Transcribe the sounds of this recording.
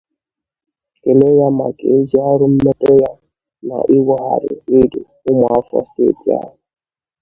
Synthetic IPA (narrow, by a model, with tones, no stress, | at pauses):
ke˨le˦ja˦ma˨ke˨e˦zi˦a˦ɾʊ˦m̩˦me˦te˦ja˦ | na̰˨ʔi˦wɔ˦ɦa̰˨ɾɪ̰˨ɪ˦de˨ | ʊ˦mɔ˨a˦fɔ̰˦stḛ˦˨ti˨a̰˦ɦʊ˨